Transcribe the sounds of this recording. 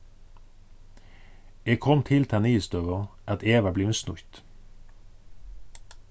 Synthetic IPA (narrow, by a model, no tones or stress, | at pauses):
eːkʰɔmt̪ʰɪlt̪ʰæːniːst̪øʁəʔɑt̪eːʋəbleːmsnʊ̰çt̪